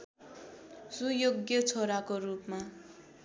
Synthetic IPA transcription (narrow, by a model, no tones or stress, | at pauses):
sujoɡjʌt͡sʰoɾakorupma